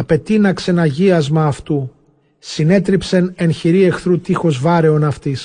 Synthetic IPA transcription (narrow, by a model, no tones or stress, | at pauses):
ɐpe̞t̪inɐkse̞nɐʝiɐzmɐːft̪u | sine̞t̪ɾipse̞ne̞nçiɾie̞xθɾut̪ixo̞zvɐɾe̞o̞nɐft̪is